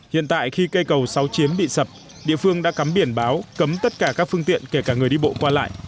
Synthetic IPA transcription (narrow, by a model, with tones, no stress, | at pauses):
hḭ˧˨ənt̪a̰ː˧˨jxi˧kə˧jkə˨˩wsa˨˦wt͡ɕi˨˦ənɓḭ˧˨sə˨˩p̚ | ɗḭ˧˨əfɨ˧əŋɗa̰ː˧˥ka˨˦mɓi˧˩ənɓaː˨˦wkə˨˦mt̪ə˦˥t̚kaː˧˩kaː˦˥k̚fɨ˧əŋt̪ḭ˧˨ənke˧˩kaː˧˩ŋ˨˩jɗi˧ɓo̰˧˨kwaː˧la̰ː˧˨jʔ